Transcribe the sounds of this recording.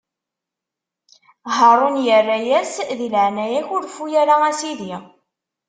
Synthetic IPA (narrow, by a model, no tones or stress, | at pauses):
ɦəɾˤonjərːæjæsðilʕnæjæçʊɾfujæɾaæsiði